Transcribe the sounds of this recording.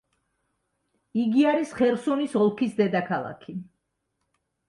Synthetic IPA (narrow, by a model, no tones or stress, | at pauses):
iɡiaɾisχɛɾsɔnisɔlˠkʰisd̪ɛd̪akʰalˠa̰kʰi